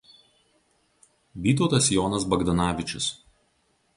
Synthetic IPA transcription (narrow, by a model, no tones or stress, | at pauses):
ʋʲiːt̪̬ɔːt̪ɐsjɔːnɐsbɐɡd̪ɐnɑːʋʲɪt͡ʃʲʊ̰s